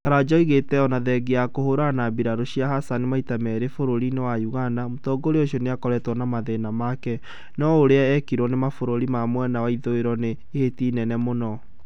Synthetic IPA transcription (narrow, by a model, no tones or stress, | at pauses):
kaɾad͡ʑɔiɣetɛɔnaðɛɡeakohoɾanabiɾaɾoɕiaɦasanemaitamɛɾefoɾoɾinewajuɣanamutɔɡoɾeoɕiɔneakɔɾɛtwɔnamaðenamakɛ | nɔoɾeaɛkiɾwɔnemafoɾoɾimamwɛnawaiðoeɾɔneːhetiːnɛnɛmonɔ